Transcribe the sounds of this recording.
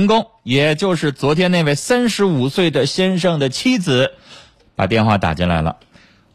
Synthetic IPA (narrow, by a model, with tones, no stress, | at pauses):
ŋkʊ˥ŋjɛ˨˩t͡ɕjo˥˧ʊʂɻ̩˥˩t͡swɔ˧˥t̪ʰjɛ˥ne˥˧ɪwe˥˩ɪsa˥nʂɻ̩˧˥u˨˩swe˥˩ɪd̪ə˩ɕjɛ˥nʂɤ˥˩ŋd̪ə˩t͡ɕʰi˥d͡zɹ̩˨˩˦ | pa̰˨˩t̪̬jɛ˥˧nxwa˥˩t̪a̰˨˩t͡ɕɛ˥˩nla̰˧˥ɪlə̰˧